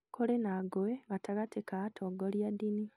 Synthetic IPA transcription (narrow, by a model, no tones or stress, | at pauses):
kʰolenaɡoeβataɣatekatʰoɡoljad̪ini